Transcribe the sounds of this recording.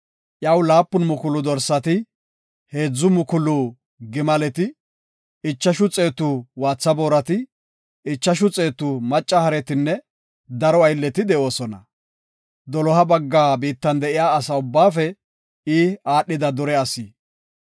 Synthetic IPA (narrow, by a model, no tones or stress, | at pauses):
ʔjɐwlaːpːʊnmʊkʊlʊd̪ɔɾsɐt̪ɪ | he̞ːd͡zːʊmʊkʊlʊ | ɡɪmɐlɛt̪ɪ | ɪt͡ʃːɐʃʊt͡sʼe̞ːt̪ːʊwaːt͡sːɐbo̞ːɾɐt̪ɪ | ɪt͡ʃːɐʃ̬ʊt͡sʼe̞ːt̪ːʊmɐt͡ʃʼːɐhɐɾɛt̪ɪnːɛ | d̪ɐɾɔɐjlːɛt̪ɪd̪ɛo̞ːsɔnɐ̰ | d̪ɔlɔɦɐbɐɡːaːbiːt̪ːɐnd̪ɛʔɪjaːɐsɐʊbːaːfɛ | iːaːɗːɪd̪ɐd̪ɔɾɛɐsiː